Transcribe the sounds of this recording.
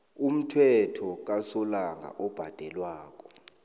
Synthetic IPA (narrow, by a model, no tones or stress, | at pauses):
um̩tʰwɛtʰɔk̬asɔlaŋa̰ʔɔb̥ʱad̥ʱɛlwaːk̬ʼɔ